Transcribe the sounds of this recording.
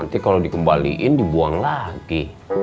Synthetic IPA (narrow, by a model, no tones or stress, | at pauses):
nt̪ikalodikəmbalḭʔɪndibuaŋlaɡi